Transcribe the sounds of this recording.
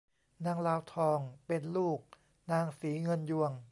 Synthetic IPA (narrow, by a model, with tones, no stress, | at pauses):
naː˧ŋlaː˧wt̪ʰɔː˧ŋpe˧nluː˥˩k̚ | naː˧ŋsiː˩˦ŋɤ˧nju˧əŋ